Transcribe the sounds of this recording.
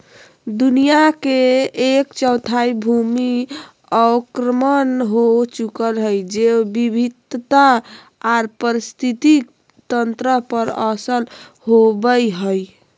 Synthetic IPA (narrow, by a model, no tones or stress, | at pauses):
d̪unijakeekt͡ʃəwt̪ʰaibʱumi | aʊkɾəmənɦot͡ʃukəlɦəjd͡ʒebibʱid̪t̪aː | ɾpəɾist̪ʰit̪i | t̪ənt̪ɾəpəɾəsəl | ɦobəjɦəj